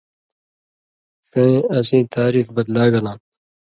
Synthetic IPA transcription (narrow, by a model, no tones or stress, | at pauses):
θẽːɐsĩːt̪ʰaːɾiːfbɐd̪laːɡɐlãːn